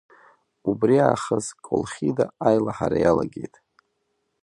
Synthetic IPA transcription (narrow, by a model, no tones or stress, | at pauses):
ubriaχəzkʷʼolχʲidaajlaħaɾajalaɡʲe̞jtʼ